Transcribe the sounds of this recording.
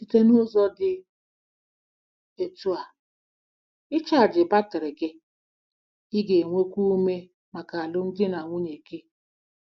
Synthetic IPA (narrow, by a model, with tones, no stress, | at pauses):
i˨te˦nʊ˦zɔ˦dɪ˨ | e˨tu˨a˨ | ɪ˦t͡ʃa˦˨d͡ʒɪ˨ba˦tɪ˨ɾɪ˨ɡe˦ | ɪ˦ɡe˨ŋʷe˦kʷu˦me˦ | ma˨ka˨a˨lʊ˦n̩˦dɪ˦na˨ŋʷu˦ɲe˨ke˦